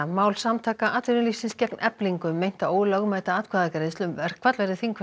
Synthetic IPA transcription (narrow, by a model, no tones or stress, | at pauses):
maːwlsamt̪ʰaːkaʔat̪vɪɾɪnlisɪnscɛknʔɛpliŋkʏmːejn̥t̪aoːwɪlaɣmajt̪aaːt̪kʰaðakaɾɪðɪst̪lʏmvɛɾ̥kʰvat̪lvɛɾɪθiŋkv